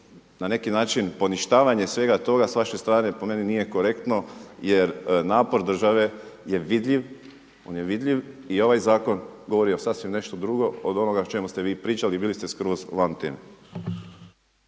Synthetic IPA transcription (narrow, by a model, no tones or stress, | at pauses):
nane̞kinaːt͡ʃinpo̞niʃt̪aːʋaɲe̞sʋe̞ɡat̪o̞ɡasʋaʃest̪ɾaːne̞po̞me̞ninije̞ko̞ɾe̞kt̪no̞je̞ɾnaːpo̞ɾd̪r̩ʒaʋe̞je̞ʋid̪ʎiʋ | o̞ːnje̞ʋid̪ʎʲiʋio̞ʋajzaːko̞nɡoʋo̞ɾiosasʋimne̞ʃt̪od̪ɾuɡo̞od̪o̞noɡaot͡ʃe̞must̪e̞ʋiːpɾiːt͡ʃalibiːlist̪e̞skɾozʋant̪ḛːme